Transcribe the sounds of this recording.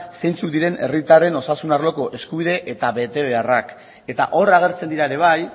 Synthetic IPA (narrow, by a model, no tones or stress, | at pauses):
se̞jnt͡suk̚d̪iɾe̞ne̞̰rit̪are̞no̞sasunarlo̞ko̞ʔe̞skuβ̞iðe̞ʔet̪aβe̞t̪e̞β̞e̞arak | e̞t̪a̰ʔo̞ɾaɣ̞e̞ɾt͡send̪iɾaeɾe̞β̞aj